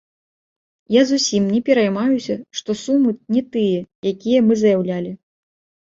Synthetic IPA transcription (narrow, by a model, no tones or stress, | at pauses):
jazusʲimnʲɛpʲɛɾɐjmajusʲɐʂt̪ɔsumɨnʲɛt̪ɨjɛjakʲijɐmɨzɐjawlʲalʲi